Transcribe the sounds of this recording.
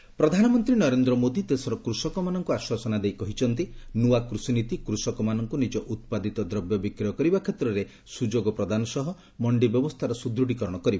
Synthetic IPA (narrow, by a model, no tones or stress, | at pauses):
pɾɔd̪ʱanɔmɔnt̪ɾinɔɾend̪ɾɔmod̪it̪esɔɾɔkɾusɔkɔmanɔŋkuaswasɔnad̪ejkɔɦit͡ʃʰɔnt̪inuwakɾusinit̪ikɾusɔkɔmanɔŋkunid͡ʒɔʔut̪̚pad̪it̪ɔd̪ɾɔbjɔbikɾijɔkɔɾibakʰet̪ɾɔɾe | sud͡ʒoɡɔpɾɔd̪anɔsɔɦɔ | mɔɳɖibjɔbɔst̪ʰaɾɔsud̪ɾuɽikɔɾɔɽ̃ɔkɔɾibɔ